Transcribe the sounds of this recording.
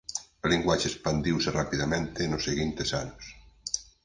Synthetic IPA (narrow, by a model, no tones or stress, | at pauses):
aliŋɡwat͡ʃeːspand̪iwserapiðamẽnt̪enoseɣint̪esa̰nos